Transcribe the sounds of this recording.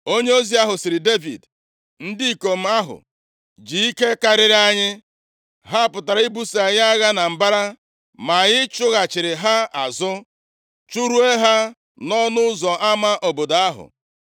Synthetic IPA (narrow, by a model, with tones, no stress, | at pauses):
o˦ɲe˦o˦zi˦a˦ɦʊ˨sɪ˨ɾɪ˨de˦vḭ˨d | n̩˦di˦i˨ko˨m̩˦a˦ɦʊ̰˨ | d͡ʒi˨i˦ke˦ka˨ɾɪ˦ɾa˦ɲɪ˦ | ɦa˦a˨pʊ˨ta˨ɾa˨i˦bu˦si˨a˨ɲa˦ɣa˦na˨m̩˨ba˦ɾa˦ | ma˨ɣɪ˦t͡ʃʊ˦ɣa˨t͡ʃɪ˨ɾɪ˨ɦa˦a˨zʊ˦ | t͡ʃu˦ɾu˦e˦ɦa˦ | nɔ˦nʊ˦zɔ˨ʔa˦ma˦ʔo˨bo˨do˨a˦ɦʊ̰˨